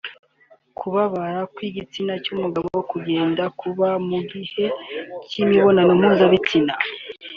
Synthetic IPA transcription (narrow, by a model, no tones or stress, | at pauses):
kʰuβaβaɾakwiɡit͡sinacumuɡaβowokuɟe̞ːndakʰuβamuɡihe̞cimiβo̞nanom̥uzaβit͡sina